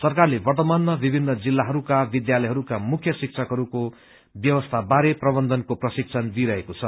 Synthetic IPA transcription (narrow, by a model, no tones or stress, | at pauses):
sʌrkarlebʌrt̪ʌmanːʌbibʱinːʌd͡zilːaɦʌɾukabid̪jalʌjɦʌɾukamukʰjʌsik̚t͡sʰʌkɦʌɾuko | bjʌwʌst̪ʰabaɾeprʌbʌnd̪ʱʌnkoprʌsik̚t͡sʰʌnd̪iɾʌɦekot͡sʰʌ